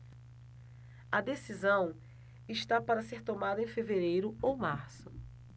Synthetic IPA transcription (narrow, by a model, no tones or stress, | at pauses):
ɐd̪esizɐ̃w̃ | ɪʃt̪apaɾɐseɾt̪omad̪ɐẽj̃feveɾejɾʊowmaɾsʊ